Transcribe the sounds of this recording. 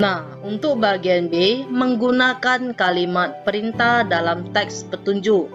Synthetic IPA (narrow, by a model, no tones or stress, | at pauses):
nah | unt̪ʊk̚baɡianbeməŋɡunakankalimat̪̚pəɾint̪ahdalamt̪ɛkspət̪uɲd͡ʒuʔ